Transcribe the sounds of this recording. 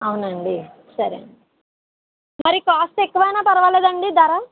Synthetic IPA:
ɐwnɐɳɖi | sɐɾɐ̰ɳi | mɐɾikaːsʈekːuʋɐjnaːpɐɾɐʋaːleːd̪ɐɳɖid̪ɐɾɐ

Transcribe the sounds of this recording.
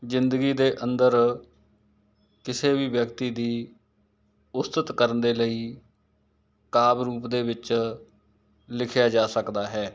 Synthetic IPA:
zɪnd̪ɡiːd̪eːʔənd̪əɾ | kɪseːʋiːʋjəkt̪iːd̪iː | ʊst̪ət̪kəɾənd̪eːləiː | kaːbɾuːpd̪eːʋɪt͡ʃ | lɪkʰjaːd͡ʒaːsəkd̪aːɦɛː

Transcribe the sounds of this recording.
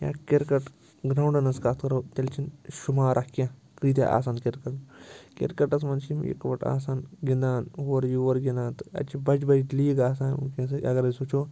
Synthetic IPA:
ja̰ːkeɾkɐʈ | ɡɾawɳɖɐnɐskaːt̪ʰkɐɾoːt̪ʲelt͡ʃʰinʃumaːɾʔakjã | kɾiːt̪ʲḛʔa̰ːs̬aːnkeɾkɐnkḛɾkɐʈɐsmɐnt͡ʃimḭkʋɐʈa̰ːs̬aːnɡind̪aːnɦoːɾjuoɾɡinaːnt̪ɨ̥ɐ̰t͡ʃʰibɐd͡ʒbɐd͡ʒiliːɡaːsaːnṵnkẽsɐɐ̰ɡɐɾɐsut͡ʃʰoː

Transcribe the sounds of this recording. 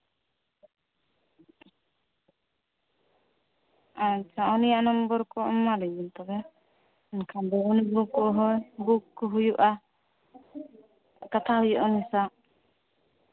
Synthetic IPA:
aɲt͡ʃaɔnijaʔnɔmbɔɾkɔɔmːaliɲunt̪ɔbɛ | nkʰambɛɔnibukɔɦɔjɡukːɔɦujuʔa | kat̪ʰaɦujɔʔɔmɛsaʔ

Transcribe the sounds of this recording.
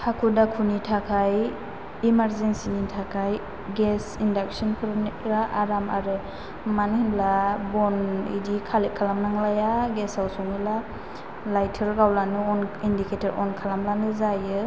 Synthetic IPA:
hʰakʰudakʰunitʰakʰaj | imaɾzensinitʰakʰaj | ɡesindak̚sɔnkʰɔɾɔnikɾaʔaɾama̰ɾɯ | manhinlabɔnḭdikʰalekʰːalamnaŋlajaɡesawsɔŋila | lajtʰɯɾɡawlanɯɔnindikʰetʰaɾɔ̰nkʰalamlanɯzajɯ

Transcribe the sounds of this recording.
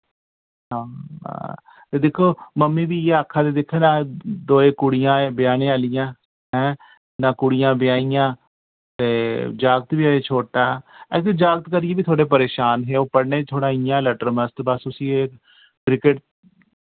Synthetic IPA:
ɦã̰ː | t̪eːd̪eːkʰːoːməmːiːbiːeːəkʰːãːd̪eːd̪ekʰːeːnaːd̪oːẽːkʊɽɪjãːbɪjaːnẽːaːlɪjãː | ɦɛ̃ː | naːkʊɽɪjãːbɪjaːijãː | t̪eːd͡ʒaːɡt̪biːaːeːt͡ʃʰoːʈaːɛk̚t̪eːd͡ʒaːɡt̪kəɾɪjeːbiːt̪ʰoːɽeːpəɾeːʃaːnɦeːoːpəɽneːt͡ʃ̪ʰoːɽaːɪjãːləʈəɾməst̪bəsʊsiːek | kɾɪkɪʈ

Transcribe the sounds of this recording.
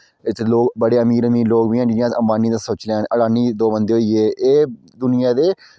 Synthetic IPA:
ɪt̪loːɡbəɽeːəmiːɾəmiːloːɡbiːãːd͡ʒɪjãːəmbaːniːd̪aːsoːt͡ʃleaːnʔəɽaːniːd̪oːbənd̪eːɦoːiːeːʔeː | d̪ʊnɪjãːd̪eː

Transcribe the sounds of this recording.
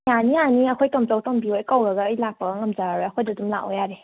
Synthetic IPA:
anianiɐkʰojtɔmt͡ʃawtɔmbiojkawɾɐɡaːjlak̚paɡaŋɐmd͡ʒaɾaɾojɐkʰojdɐdumla̰ʔojaɾe

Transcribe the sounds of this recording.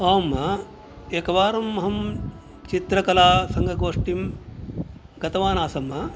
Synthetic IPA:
ɐːmɐ | ekɐʋaːɾɐmːɐɦɐm | t͡ʃit̪ɾɐkɐlaːsɐŋɡʱɐɡoːʂʈim | ɡɐt̪ɐʋaːnaːsɐmːɐ

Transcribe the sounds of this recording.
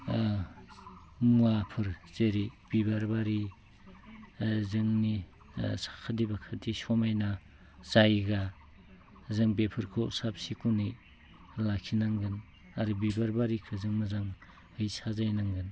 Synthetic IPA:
muapʰɯɾzeɾib̥ibaɾbaɾi | zɯŋni | sḁkʰadibakʰatisɔmajna | z̥ajɡa | zɯŋbepʰɯɾkʰosap̚sikunij | lakʰinaŋɡɯn | aɾubibaɾbaɾikʰɯzɯŋmɯzaŋ | hɯjsazajnaŋɡɯn

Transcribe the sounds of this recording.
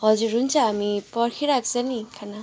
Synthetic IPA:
hɔzuɾunt͡ʃaːmipɔɾkʰiɾak̚zanikʰana

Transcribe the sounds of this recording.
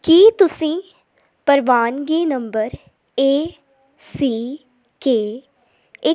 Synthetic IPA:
kiːt̪ʊsĩː | pəɾʋaːnɡiːnəmbəɾ | eː | siː | keː | ɪ

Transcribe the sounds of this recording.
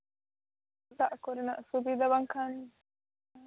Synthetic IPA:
t̪aʔkuɾinɐʔsubid̪ɐbɐŋkʰan

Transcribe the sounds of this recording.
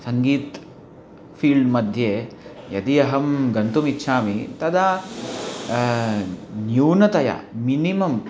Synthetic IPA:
sɐŋɡiːt̪ | pʰiːlɖmɐd̪ʱjeː | jɐt̪ijɐɦɐmɡɐnt̪umit̪ːʃʰaːmit̪ɐd̪ɐ | njuːnɐt̪ɐjɐ̰minimɐm

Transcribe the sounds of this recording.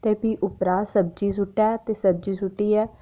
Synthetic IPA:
t̪eːpiːʔʊpɾaːsəb̚d͡ʒiːs̬ʊʈːɛːt̪eːsəb̚d͡ʒiːsʊʈːiːɛː

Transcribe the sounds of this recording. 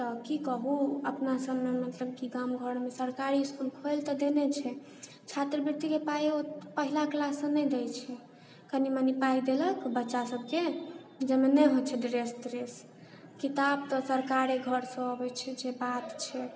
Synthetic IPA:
t̪ɔkikəbuəpnasəbmemət̪ləb̚kiɡamɡʱəɾmesəɾkaɾiːskulkʰojlt̪ɔd̪enɛt͡ʃʰɛ | t͡ʃʰat̪ɾəbiɾt̪ikepajopəɦilaklasə̃nɛjd̪ɛjt͡ʃʰɛ | kənimənipaid̪eləkbətːʃasəb̚ke | d͡ʒemenɛjɦot͡ʃʰɛd̪ɾesd̪ɾes | kit̪abt̪ɔsəɾkaɾeɡʱəɾsə̃əbɛt͡ʃʰɛd͡ʒebat̪t͡ʃʰɛ

